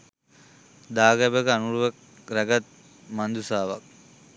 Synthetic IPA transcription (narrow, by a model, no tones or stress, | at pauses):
d̪aːɡɛbəkəanuɾuʋek̚ | ɾæɡat̪̚ | mand̪usaːʋa̰k̚